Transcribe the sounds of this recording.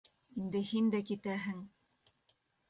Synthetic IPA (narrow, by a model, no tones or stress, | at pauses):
ind̪ɘhind̪ækit̪æɦɘŋ